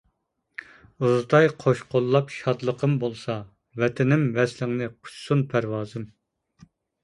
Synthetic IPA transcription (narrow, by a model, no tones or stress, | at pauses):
uzd̪ɑjqʰoʃqʰolˠːɑpʃɑd̪lˠəqʰəmbolˠsɑ | vɛt̪ʰɪnɪmvɛslɪŋnɨqʰʊ̥t͡ʃsunpʰæɾwɑːzɨm